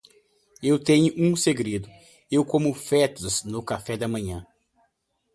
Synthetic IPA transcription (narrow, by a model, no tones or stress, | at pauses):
ewt̪ẽɲʊʔũseɡɾed̪ʊ | ewkõmʊfɛt̪ʊznʊkafɛd̪ɐmɐ̃ɲɐ̃